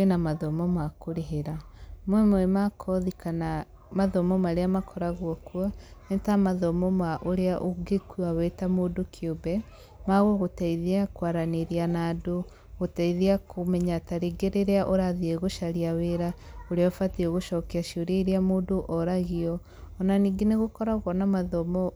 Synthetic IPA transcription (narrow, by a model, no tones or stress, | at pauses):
enamaðɔmɔmakoɾeɦeɾamwɛmoɛmakʰɔðikana | maðɔmɔmaɾeamakʰɔɾaɣwɔkwaetamaðɔmɔmaʔoɾeaʔoɡekuawetamoːdokʰiobɛ | maɣoɣotaiðiakwaɾaneɾianaːdo | ɣotaiðiakʰomɛɲataɾeɡeɾeɾeaʔoɾaðieɣoʃaɾiaweɾaoɾeaɔfatieɣoʃɔkeaʃioɾeiɾiamoːdoʔɔɾaɣiɔ | ɔnaniːɡeneɣokɔɾaɣwɔnamaðɔmɔ